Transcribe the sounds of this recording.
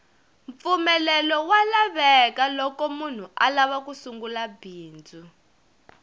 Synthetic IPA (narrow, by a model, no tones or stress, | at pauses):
ɱfumɛlɛlɔwalaβɛkalɔkɔmun̤uʔalaβakusuŋɡulabʱiːnd͡zʱu